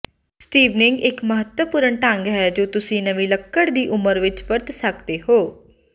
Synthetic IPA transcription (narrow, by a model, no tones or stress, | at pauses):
sʈiːʋnɪŋɡɪkməɦət̪wəpʊːɾəɳʈəŋɡɦɛːd͡ʒoːt̪ʊsĩːnəʋiːləkːəɽd̪iːʔʊməɾʋɪt͡ʃpəɾt̪səkd̪eːɦoː